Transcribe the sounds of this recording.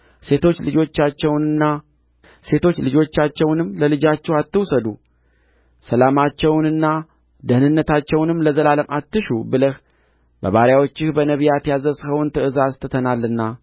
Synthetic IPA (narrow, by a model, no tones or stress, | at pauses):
se̞t̪ʰo̞t͡ʃːlɨd͡ʒo̞t͡ʃːat͡ʃːɛwnɨnːa | se̞t̪ʰo̞t͡ʃːlɨd͡ʒo̞t͡ʃːat͡ʃːɛwnɨmːləlɨd͡ʒat͡ʃːɛwat̪ːɨwsəd̪u | səlamat͡ʃːɛwnɨnːa | d̪əhnɨnːət̪ʰat͡ʃːɛwnɨmləzəlaləmʔat̪ːɨʃubɨləh | bə̰βaɾjawo̞t͡ʃːɪhbənəβijat̪jazəshəwnt̪ʰɨʔɨzast̪ʰɨt̪ʰənalːɨnːa